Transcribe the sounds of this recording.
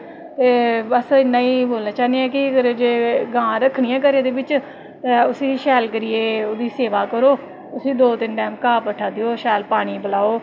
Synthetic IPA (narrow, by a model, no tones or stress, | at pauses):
t̪eːbəsɪnːãːiːboːlnaːt͡ʃaːneɛːkɪkəɾd͡ʒeːɡãːɾəkʰːɽɪjãːk̬əɾeːd̪eːbɪt͡ʃ | t̪ːʊsĩːʃɛːlkəɾɪjeːoːd̪iːseːʋaːkəɾoː | ʊsĩːd̪oːt̪ɪnʈɛːmkaːpəʈʰaːd̪ɪoːʃɛːlpaːɽ̃iːbəlaːoː